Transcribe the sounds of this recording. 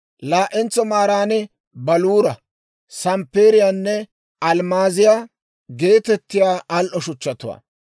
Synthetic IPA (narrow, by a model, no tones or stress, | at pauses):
laːʔɛnt͡sːɔmaːɾaːnɛ | bɐluːɾɐ | sɐmpːeːɾɪjaːnːɛ | ɐlmaːzɪjaː | ɡe̞ːt̪ɛt̪ːɪjaːɐlʔɔʃʊt͡ʃːɐt̪ʊwa̰ː